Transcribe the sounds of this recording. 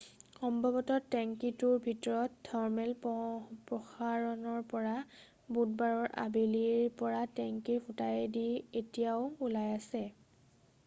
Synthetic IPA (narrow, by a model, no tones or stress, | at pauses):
xɔmbʱɔbɔtɔtːɛŋkitʊɹbʱitɔɹɔtːʰɔɹmɛlpɹɔxaɹɔnɔɹpɔɹa | but̚baɹɔɹʔa̰biliɹpɔɹatɛŋkipʰutajɛdietijaʊulajasɛ